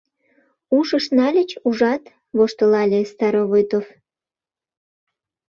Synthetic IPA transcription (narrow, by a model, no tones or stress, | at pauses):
uʃəʃnɑlʲət͡ɕuʒɑt̪ | βoʃt̪olɑlʲest̪ɑɾoβojt̪of